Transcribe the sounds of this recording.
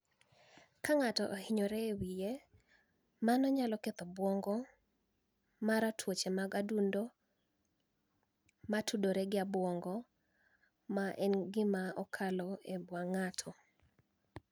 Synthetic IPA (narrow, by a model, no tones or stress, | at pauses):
kaŋatɔʔohɪɲɔɾɛːwije | manɔɲalɔket̪ɔbwɔŋɡɔ | maɾatʰwot͡ʃemaɡadundo | matʰudoɾɛɡɪabwɔŋɡɔ | maʔɛnɡɪmaɔkʰalɔebwaŋatʰɔ